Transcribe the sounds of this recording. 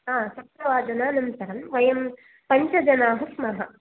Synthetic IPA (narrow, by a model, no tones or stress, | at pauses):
aːsɐpɾɐʋaːd̪ɐnaːnɐmt̪ɐɾɐmʋɐjɐm | pɐɲt͡ʃɐd͡ʒɐnaːɦɐsmɐɦɐ